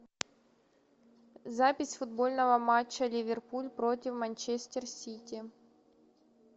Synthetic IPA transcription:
zapʲɪsʲfʊd̪bolʲnəvəmat͡ɕːəlʲɪvʲɪrpulʲpɾotʲɪfmɐnʲt͡ɕesʲt̪ʲɪrsʲitʲi

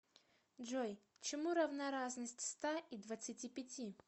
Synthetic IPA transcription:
ʐoj | t͡ɕɪmuɾəvnaɾaznəsʲtʲst̪aid̪vət̪sɨtʲipʲɪtʲi

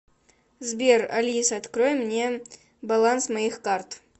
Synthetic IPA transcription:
zbʲe̞rɐ̰lʲisɐt̪kɾojmnʲe̞ | bɐlˠansmɐixkart̪

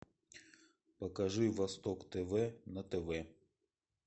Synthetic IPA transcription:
pɐkɐʐɨvɐst̪ɔkt̪ɛvɛnɐt̪ɛvɛ

